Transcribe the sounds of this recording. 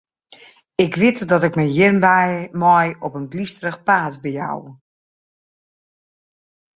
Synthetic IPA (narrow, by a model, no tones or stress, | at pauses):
ɪkʋɪtdɔtɪkməjjɪrnbɛjmɔjɔpənblistərəxpaːt͡sbɛja̰w